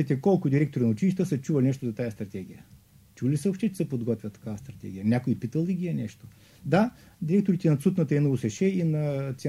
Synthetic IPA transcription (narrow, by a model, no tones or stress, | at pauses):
ɛt̪ɛkɔlˠkʊd̪iɾɛk̚t̪oɾinɐʊt͡ʃiliʃt̪t̪əsɐt͡ʃuvɐlʲinɛʃt̪ozɐt̪ajɐst̪ɾɐt̪ɛɡ̟ijə | t͡ʃulisəopʃt̪ɛt͡ʃɛ̥sɛpod̪ɡɔt̪vʲjɐt̪ɐ̥kavɐst̪ɾɐt̪ɛ̰ɡ̟ijənʲakoipit̪əlˠd̪iɡʲiɛnɛʃt̪o̥ | d̪a | d̪iɾɛk̚t̪oɾit̪ɛnɐt̪sut̪nət̪əɛnovosɛʃɛinɐt̪sʲ